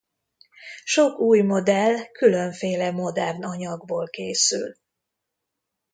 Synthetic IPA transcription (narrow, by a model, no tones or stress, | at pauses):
ʃo̞kuːjmo̞d̪ɛlkylø̞ɱfeːlɛmo̞d̪ɛrnɒɲɒɡboːlkeːsy̰l